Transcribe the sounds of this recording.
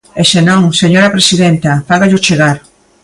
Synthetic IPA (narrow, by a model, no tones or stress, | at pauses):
esenõŋseɲoɾɐpɾesiðent̪ɐfaɣaʎʊt͡ʃeɣaɾ